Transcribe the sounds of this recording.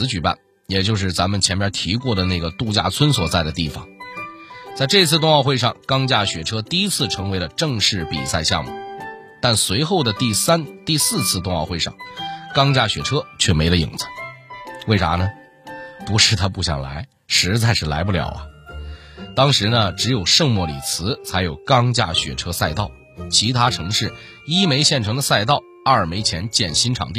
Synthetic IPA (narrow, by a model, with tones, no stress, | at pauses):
ɹ̩˧˥t͡ɕy˨˩pa̰˥˩n | jɛ˨˩t͡ɕjo˥˧ʊʂ̬ɻ̩˥˩t͡sa˧˥mə˨nt͡ɕʰjɛ˧˥npjɐ˥t̪ʰi˧˥kwɔ˥˩d̪ə˩na˥˩ɡə˩t̪u˥˧t͡ɕja̰˥˩t͡sʰwə˥nswɔ˨˩t͡sa˥˩ɪd̪ə˩t̪i˥˩fɑ̰˨˩ŋ | t͡sa˥˧ɪʈ͡ʂɤ˥˧i˥t͡sʰɹ̩˥˧t̪ʊ˥˧ŋɑ˥˧ʊxwe˥˧ɪʂɑ˥˩ŋkɑ˥ŋt͡ɕja˥˩ɕɥɛ˨˩ʈ͡ʂʰɤ˥t̪i˥˧i˥t͡sʰɹ̩˥˩ʈ͡ʂʰɤ˧˥ŋwe˧˥ɪlə˧ʈ͡ʂɤ˥˧ŋʂɻ̩˥˩pḭ˨˩sa˥˧ɪɕjɑ̰˥˧mṵ˥˩ | t̪a˥˩nswe˧˥ɪxo˥˩ʊd̪ə˩t̪i˥˧a˥nt̪i˥˧sɹ̩˥˧t͡sʰɹ̩˥˧t̪ʊ˥˧ŋɑ˥˧ʊxwe˥˧ɪɑ̰˥˩ŋkɑ˥ŋt͡ɕja˥˩ɕɥɛ̰˨˩ʈ͡ʂʰɤ˥t͡ɕʰɥɛ˥˩me˧˥ɪlə˧jḭ˨˩ŋd͡zə̥˦we˥˩ɪʈ͡ʂa̰˧˥nə˩˨ | pu˧˥ʂɻ̩˥˩t̪ʰa˥pu˥˩ɕjɑ̰˨˩ŋla̰˧˥ɪ | ʂɻ̩˧˥t͡sa˥˧ɪʂɻ̩˥˩la̰˧˥ɪp̬u˥˩ljɑ̰˨˩ʊɐ̰˦ | t̪ɑ˥ŋʂɻ̩˧˥nə˧ʈ͡ʂɻ̩˧˥jo˨˩ʊʂɤ˥˧ŋmwɔ˥˩lḭ˨˩t͡sʰɹ̩˧˥t͡sʰa˧˥ɪjo˨˩ʊkɑ˥ŋt͡ɕja̰˥˩ɕɥɛ̰˨˩ʈ͡ʂʰɤ˥sa˥˧ɪt̪ɑ˥˩ʊ | t͡ɕʰi˧˥t̪ʰa˥ʈ͡ʂʰɤ˧˥ŋʂɻ̩˥˩ | i˥me˧˥ɪɕjɛ˥˩nʈ͡ʂʰɤ˧˥ŋd̪ə˧sa˥˧ɪt̪ɑ˥˩ʊ | ɐ˞˥˩ə˞˨˩me˧˥ɪt͡ɕʰjɛ˧˥nt͡ɕjɛ˥˩nɕi˥nʈ͡ʂʰɑ̰˨˩ŋt̪i˥˩